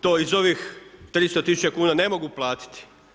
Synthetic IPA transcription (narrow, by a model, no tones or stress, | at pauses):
t̪oːizo̞ʋixt̪ɾist̪ot̪isu̥t͡ʃekuːnane̞mo̞ɡuplˠaːt̪i̥t̪i̥